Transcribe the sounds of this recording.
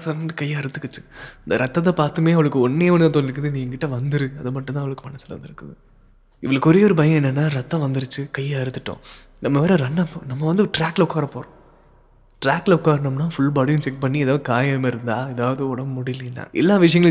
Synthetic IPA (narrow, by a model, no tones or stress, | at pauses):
sɐɾɐɳɖɯkɐjːɐɪɾɯt̪ːɯkːɯt͡ʃːɯ̥ɐnd̪ɐɾʔɐt̪ːɐt̪ːɐpaːɾt̪ɯmeːɐʋɐɭɯkːɯɔɳːejɐʋɐnd̪ɐt̪õːnɪɾɯkːɯðɯniːŋɡɐkɪʈːɐʋɐnd̪ɯɾɯɐðɯmɐʈːnãːʋɐɭɯkːɯmɐnɐsɪlʋɐ̰nd̪ɪɾɯkːɯðɯ | ɪʋɐɭɯkːɔɾejɔɾɯbɐjɐ̃ɛnːɛnːaːɾɐt̪ːɐ̃ʋɐnd̪ɪɾɯt͡ʃːɯkɐjːaɐɾɯt̪ːɯʈːõ̰ː | nɐmːɐpeːɾɐɾɐnːɐpːnɐmːɐʋɐnd̪ɯʈɾaːkːlɐʊkːaːɾɐpːoːɾõ | ʈɾaːkːlɐʊkːaːɾɐnɐmnaːfʊɭbaːɽɪjʊ̃t͡ʃɛk̚pɐɳːiɛðaːʋɐðɯkaːjɐmeɪɾɯnd̪aːɛðaːʋɐðɯɔɽɐmʊɽɪlɪnːa̰ːʔɛ̰lːaːʋɪʂɐjɐŋɡɐɭ